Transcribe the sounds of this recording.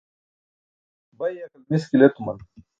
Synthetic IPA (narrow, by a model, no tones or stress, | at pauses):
bɐjɐkɐlmiskilet̪umɐ̰n